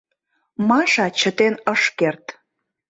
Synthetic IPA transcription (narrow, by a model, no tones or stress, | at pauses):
mɑʃɑt͡ɕə̆t̪enəʃkert̪